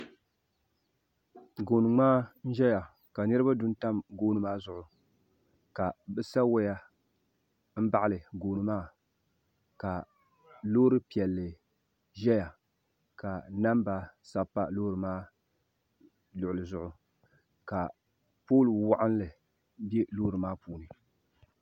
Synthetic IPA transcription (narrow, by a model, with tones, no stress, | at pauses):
ɡoː˨nɨ˨ŋ͡maː˦n̩˦ʒɛ˦ja˨ | ka˨nɨ˦ɾɨ˦ba˦dʊ˦n˦ta˦mɡoː˦nɨ˨maː˦zʊ˦ʔʊ˨ | ka˨bɛ˦sa˦wɛ˦ja˦ | m̩˦ba˦ʔa˦lɨ˨ɡoː˨nɨ˨maː˦ | ka˨ | loː˦ɾɨ˦pi˨ɛ˨lːɨ˨ | ʒɛ˦ja˨ | ka˨na˦mba˨sa˦pa˦lo˦ɾɨ˨maː˦ | lʊ˨ʔʊ˨lɨ˨zʊ˦ʔʊ˨ | ka˨ | poː˦lwa˦ʔa˦n˦lɨ˨ | bɛ˦loː˦ɾɨ˨maː˦puː˦nɨ˨